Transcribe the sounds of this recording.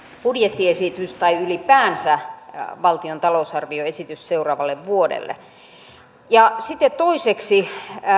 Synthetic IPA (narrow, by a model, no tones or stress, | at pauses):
pudjet̪ːiesit̪yst̪ɑiylipæːnsæʋɑlt̪iont̪ɑlousɑrʋioesit̪ysseurɑːʋɑlːeʋʋuodḛlːḛ | jɑsit̪ːet̪t̪oiseksi